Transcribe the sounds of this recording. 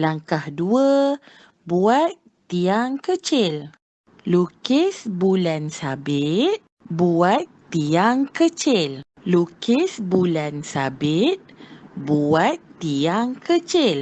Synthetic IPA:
laŋkahduə | buat̪ːiaŋkət͡ʃɪl | lukɪsbulansabɪt̪̚ | buat̪ːiaŋkət͡ʃɪl | lukɪsbulansa̰bɪt̪̚buat̪ːiaŋkət͡ʃɪl

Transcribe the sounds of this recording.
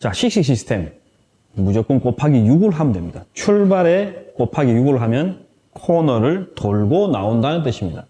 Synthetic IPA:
t͡ɕaɕʰik̚ɕ͈ik̚ɕ̬͈isʰɯ̥tʰe̞mː | ud͡ʑʌk͈ɯnk͈opʰaɡijuɡuɾɯɭɦamndwe̞mɲid̥at͡ɕʰuɭbaɾek͈opʰaɡijuɡuɾɯɭɦamjʌn | kʰonʌɾɯɭtoɭɡonaondanɯnt̬͈ɯɕʰimɲida

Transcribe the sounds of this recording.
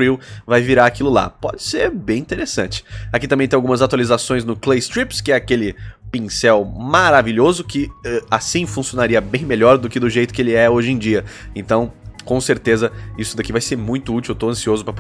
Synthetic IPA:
iwvajviɾaakilʊla̰pɔd͡ʒɪseɾbẽj̃ĩnt̪eɾesɐ̰̃nt͡ʃɪ̥akit̪ɐ̃mbẽt̪ẽawɡũmɐzat̪ualizasõj̃znʊklejst̪ɾipskɪɛakelɪpĩsɛwmaɾaviʎozʊkɪɛasĩfũsionaɾiɐbẽj̃meʎɔɾd̪ʊkɪd̪ʊʒejt̪ʊkɪelɪɛoʒẽd͡ʒiɐẽnt̪ɐ̃w̃kõseɾt̪ezɐisʊd̪akivajseɾmũj̃t̪ʊut͡ʃiwet̪oɐ̃siozʊpɾɐp

